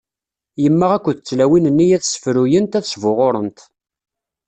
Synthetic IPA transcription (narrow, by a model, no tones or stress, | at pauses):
jəmːəʁækʷːəðət͡sːlæwinənːijæθsə̥fɾujənt̪æθəsvʊʁoɾˤənt̪